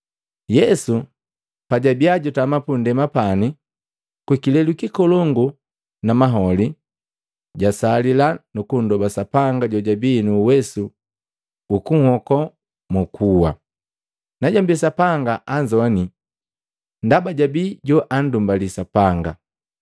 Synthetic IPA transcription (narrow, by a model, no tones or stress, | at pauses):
jɛsu | paɟabiaɟɔtamapundɛmapani | kwikilɛlukikɔlɔŋɡu | namaɦɔli | ɟasalilanukundɔbasapaŋɡaɟɔɟabinuːwɛsuː | kuŋhɔkɔ | mukʰuwa | naɟambisapaŋɡaʔaɲd͡ʒɔani | ndabaɟabiɟɔʔan̩dumbalisapaŋɡa